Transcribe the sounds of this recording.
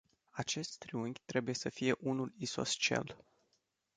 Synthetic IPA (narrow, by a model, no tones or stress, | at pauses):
at͡ʃe̞st̪t̪ɾiuŋɡʲt̪ɾe̞buje̞səfije̞ʔunuliso̞̰st͡ʃia̰l